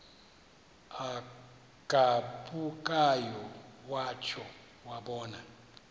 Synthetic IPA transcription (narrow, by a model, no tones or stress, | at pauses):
a | ɡ̥ʱaɓʼukʼajɔwaːt͡ʃʰɔ | waɓɔːna